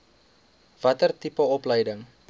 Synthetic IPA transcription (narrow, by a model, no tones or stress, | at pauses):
v̥ɐtərtipəɔpləjdəŋ